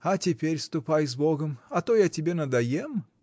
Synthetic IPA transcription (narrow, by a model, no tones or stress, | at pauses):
ɐtʲɪpʲeɾʲst̪ʊpajzboɡəmɐt̪ojatʲɪbʲe̞nɐd̪ɐjem